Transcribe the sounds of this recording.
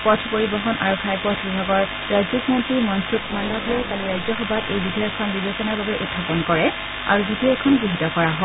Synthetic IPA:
pɔtʰpoɹibɔɦɔnʔaɹɔkʰːajpɔtʰbibʱaɡɔɹ | ɹaziknɔntɹiɹmɔntɹukmalːaɡʱaɹɔɹkaliɹajzɔxɔbatejbidʱaɔkʰːɔnɡibasɔnaɹbabɛʔudʰʱapɔnkɔɹɛ | a̰ɹuzidiɛkʰɔnɡɹiɦitɔkɔɹaɦɔ

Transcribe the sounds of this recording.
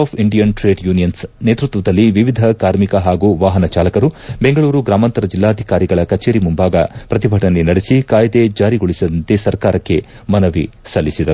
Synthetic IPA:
apʰiɳɖijɐnʈɾe̞ːɖjuːnijɐnsne̞ːt̪ɾut̪ʋɐd̪ɐlːiʋiʋid̪ʱɐkaːɾmikɐɦaːɡuʋaːɦɐnɐt͡ʃaːlɐkɐɾubeŋɡɐɭuːɾuɡɾaːmɐnt̪ɐɾɐd͡ʒilːaːd̪ʱikaːɾiɡɐɭɐkɐt͡ʃeːɾimumbaːɡɐpɾɐt̪ibʱɐʈɐnːenɐɽesikaːjd̪e̞d͡ʒaːɾiɡoɭisɐd̪ɐnt̪esɐɾkaːɾɐkːe̞ | mɐnɐʋi | sɐlːisid̪ɐɾu

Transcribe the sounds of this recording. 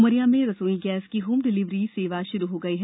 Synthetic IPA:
məɾijamẽɾɐsoːiɡɛːskiɦuːmɖɪlɪʋɾiseːʋaʃʊɾuɦoɡɐiɦɛ

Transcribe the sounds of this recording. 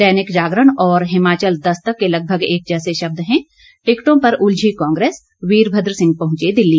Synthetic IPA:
t̪ɛːnɪkd͡ʒaːɡɾəɳ̃ɔːɾɦɪmaːt͡ʃəld̪ɐst̪əkːelɐɡ̚bʱəɡeːk̚d͡ʒɛːseʃɐb̚d̪ɦɛ̃ː | ʈɪkʈõpɐɾʊld͡ʒʱikɔ̃ːŋɡɾeːs | wiːɾbʱəd̪ɾsɪ̃ŋɡ̚pɐɦʊ̃t͡ʃed̪ɪlːiː

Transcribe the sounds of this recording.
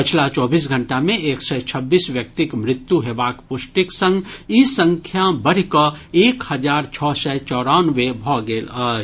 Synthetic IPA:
pɪt͡ʃʰlat͡ʃɔːbiːs̬ɡʱə̃ɳʈamẽʔeːksɛt͡ʃʰəbːiːsʋjək̚t̪ɪkmɾɪt̪ːjuɦeːbaːkpʊsʈɪksə̃ŋɡisə̃ŋkʰjabəɽ̤ikəeːkhəd͡ʒaːɾt͡ʃʰɔːsɛt͡ʃɔːɾanʋebʱɔːɡeːlə

